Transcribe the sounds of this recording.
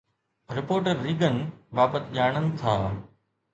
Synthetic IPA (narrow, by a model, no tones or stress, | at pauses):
ɾɪpoːɾʈəɾːiːɡənbaːbət̪ʄaːɽ̃ənɪ̆t̪ʰaː